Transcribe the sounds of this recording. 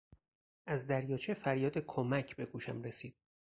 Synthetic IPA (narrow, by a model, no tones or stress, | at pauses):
ʔæzd̪æɾjɒːt͡ʃʰefæɾjɒːd̪e̞kʰomæcʰbe̞ɡuːʃæ̰mɾe̞siːd̪̥̚